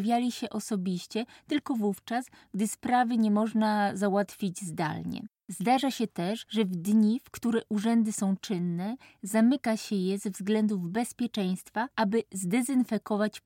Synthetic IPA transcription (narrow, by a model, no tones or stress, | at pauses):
vʲjalʲiɕɛʔɔsɔbʲiɕt͡ɕɛt̪ɘlkɔvuft͡ʂas | ɡd̪ɘspɾavɘɲɛmɔʐnazawat̪fʲid͡ʑzd̪a̰lɲɛ̰ | zd̪aʐaɕɛt̪ɛʂʐɛvd̪ɲifkt̪uɾɛʔuʐɛnd̪ɘsɔ̃w̃t͡ʂɘnːɛ | zamɘkaɕɛjɛzɛvzɡlɛnd̪uvbɛspʲjɛt͡ʂɛj̃st̪faabɘzd̪ɛzɘnfɛkɔvat͡ɕ